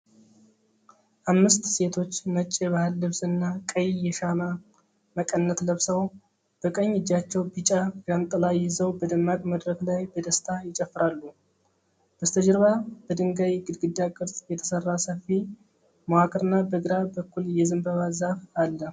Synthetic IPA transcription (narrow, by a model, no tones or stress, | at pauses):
ʔamːɨst̪se̞t̪ʰo̞t͡ʃːnət͡ʃʼːeβahɨlːɨβsɨnːakʼəjjɛʃama | məkʼənːət̪ləβsəw | b̥əkʼəɲːɪd͡ʒːat͡ʃːɛwbit͡ʃʼajamt̪ʼəlajɪzəwbəd̪ɨmːakʼməd̪ɾəklajbəd̪əst̪ʰajɪt͡ʃʼəfːɾalːu | b̥əst̪ʰəd͡ʒɨɾβab̥əd̪ɨŋɡajiɡɨd̪ɡɨd̪ːakʼɨɾt̪ʼjɛt̪ʰə̥sərːasəfi | mowakʼɨɾɨnːabəɡɾabəkːuljɛzɨmbəβazafalːə